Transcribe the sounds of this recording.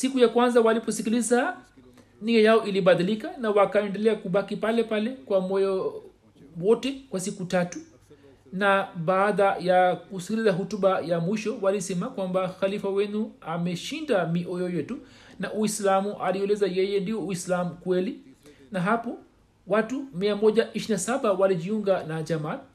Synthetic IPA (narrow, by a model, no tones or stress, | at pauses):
sikujakwanzawalipɔsikiliza | niɛjaɔʔiliɓaðilikanawakaɛndɛlɛakuɓakipalɛpalɛkwamɔjɔ | wɔtɛkwasikutatu | naɓaːðajakusi̥kilizaɦutuɓajamwiʃɔwalisɛmakwambaxalifawɛnuamɛʃindamiʔɔjɔjɛtunaʔuislamuʔaliɛlɛzajɛjɛndiɔuislamukwɛlinaɦapɔ | watumiamɔʄaʔiʃinasaɓawaliʄiuŋɡanad͡ʒaman